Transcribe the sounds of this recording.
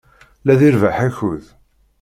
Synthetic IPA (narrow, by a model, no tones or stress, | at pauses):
læðiɾvaħæçʊð